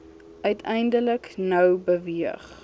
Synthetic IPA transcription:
ʔœɥtʰɛjndələknœwbəviəχ

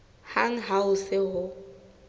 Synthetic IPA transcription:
haŋ̩ɦaʊsɪɦʊ

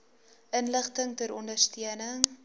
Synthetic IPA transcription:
ʔənləχtəŋtəɾɔndərstiənəŋ

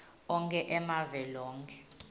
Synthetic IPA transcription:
ɔŋkʰɛʔɛmavɛlɔːŋkʰɛ

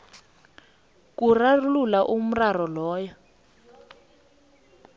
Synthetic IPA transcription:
kurarululaʔum̩rarɔlɔːjɔ

